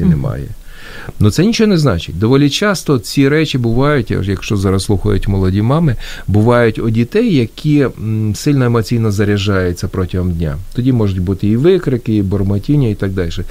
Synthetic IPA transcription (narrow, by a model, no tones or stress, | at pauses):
inɛmɑ̰jɛ̰ | nʊt̪sɛnʲit͡ʃɔɔnɛznɑt͡ʃɪ̰tʲd̪ɔʋɔlʲit͡ʃɑst̪ɔt͡sʲiɾɛt͡ʃʲɪbʊʋɑjʊtʲjɐkʃt͡ʃɔzɑɾɐsslˠuxɐ̰jʊ̰tʲmɔlˠɔdʲimɑmɪbʊʋɑjʊtʲɔdʲit̪ɛjːɐkʲʰisɪlʲnɔemɔt͡sʲijnɔzɐɾʲɐʒɑjʊt͡sʲːɐpɾɔtʲɪɦɔmdʲnʲa̰t̪ɔdʲimɔʒʊtʲbut̪ɪiʋɪkɾɪkɪibɔrmɐtʲinʲːɐit̪ɑɡ̚d̪ɑlʲʃɛ